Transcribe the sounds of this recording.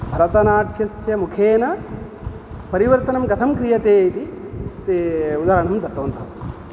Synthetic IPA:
bʱɐɾɐt̪ɐnaːʈʰjɐsjɐmukʰeːnɐ | pɐɾiʋɐɾt̪ɐnɐmɡɐt̪ʰɐmkɾijɐt̪eːt̪i | t̪eud̪aːɾɐɳɐmd̪ɐt̪oːnt̪ɐst̪i̥

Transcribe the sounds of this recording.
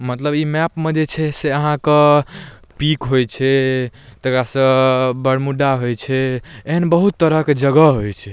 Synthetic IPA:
mət̪ləbimɛpmed͡ʒet͡ʃʰɛseəɦãke | pikɦojt͡ʃʰɛt̪əkɾasə̃bəɾmuɖaɦojt͡ʃʰɛeɦənbəɦut̪ːəɾəked͡ʒəɡəɦojt͡ʃʰɛ

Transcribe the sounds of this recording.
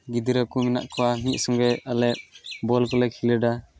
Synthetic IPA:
ɡid̪iɾakumina̰ʔkɔwamit̪̚ˀsɔŋɡɛʔalɛʔ̚bɔlkɔlɛkʰilɛɖa

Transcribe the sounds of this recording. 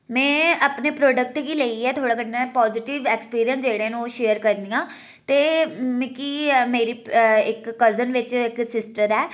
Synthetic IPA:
mɛ̃ːəpneːpɾoːɖək̚ʈkiːleːiɛːt̪ʰoːɽaːkəʈnãːpɔːzɪʈɪʋɛːkspiːɾijənsd͡ʒeːɽeːnũːʃeːəɾkəɾnijãː | t̪eːmẽːkiːmeːɾiːɪkːəzənʋɪt͡ʃɪksɪsʈəɾɛː

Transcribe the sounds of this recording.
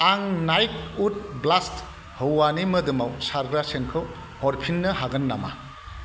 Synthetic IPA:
aŋnajk̚ut̚blast | hɯwːanimɐdumawsaɾɡɾasenkʰɯw | hɔɾpʰinːɐhaɡɐnːama̰

